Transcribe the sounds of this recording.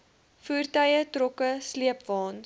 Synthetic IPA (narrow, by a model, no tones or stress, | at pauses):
fuːrtɐjətrɔkəsliəpvɑːn